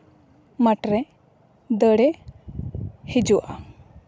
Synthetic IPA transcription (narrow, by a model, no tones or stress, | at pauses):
maʈɾɛ | d̪əɽɛ | hid͡ʒuwʔa